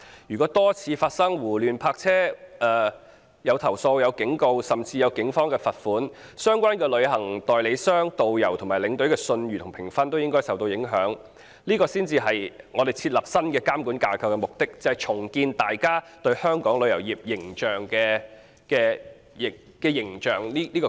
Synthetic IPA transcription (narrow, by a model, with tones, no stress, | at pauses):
jyː˨˩kɔː˨˥t̪ɔː˥t͡sʰiː˨˧faː˧t̚sɐ˥ŋwuː˨˩lyː˨npʰaː˧k̚t͡sʰɛː˥ʔː | jɐ˨˧wt̪ʰɐ˨˩wso˧wjɐ˨˧wkɪ˨˥ŋko˧wsɐ˨˩mt͡siː˧jɐ˨˧wkɪ˨˥ŋfɔː˥ŋkɛː˧fɐ˨t̚fuː˨˥n | sœː˥ŋkʷwaː˥nkɛː˧lɵ˨˧ɥhɐ˨˩ŋt̪ɔː˨jle˨˧jsœː˥ŋt̪o˨wjɐ˨˩wt̪ʰʊ˨˩ŋmaː˨˩lɪ˨˧˥ŋt̪ɵ˨˥ɥkɛː˧sɵ˧nɥyː˨t̪ʰʊ˨ŋpʰɪ˨˩ŋfɐ˥nt̪o˥wjɪ˥ŋkɔː˥jsɐ˨wt̪o˧wjɪ˨˥ŋɦœː˨˥ŋ | liː˥kɔː˧siː˥nt͡siː˧ɦɐ˨jŋɔː˨˧d̪e˨jt͡sʰiː˧t̚lɐ˨p̚sɐ˥nkɛː˧kaː˥mkuː˨˥nkaː˧kʰɐ˨wkɛ˧mʊ˨k̚t̪ɪ˥k̚t͡sɐ˨˧hɐ˨jt͡sʰʊ˨˩ŋkiː˧nt̪aː˨jkaː˥t̪ɵ˧ɥhœː˥ŋkɔː˨˥ŋlɵ˨˧ɥjɐ˨˩wjiː˨p̚jɪ˨˩ŋt͡ʃœː˨˩ŋkɛː˧ | kɛː˧ | jɪ˨˩ | kɛː˧jɪ˨˩ŋt͡ʃœː˨˩ŋliː˥liː˥kɔː˧